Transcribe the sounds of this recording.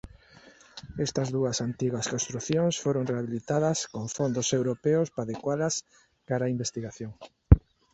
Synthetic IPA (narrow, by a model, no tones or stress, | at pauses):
est̪ɐzðuɐsant̪iɣɐskõnst̪ɾuθjoŋsfoɾoŋreaβilit̪aðɐskoŋfond̪osewɾopeʊspaðekwaðɐs | kaɾaimbest̪iɣaθjoŋ